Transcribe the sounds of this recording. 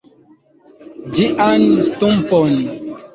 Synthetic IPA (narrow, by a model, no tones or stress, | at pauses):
d͡ʒiʔanstumpɔn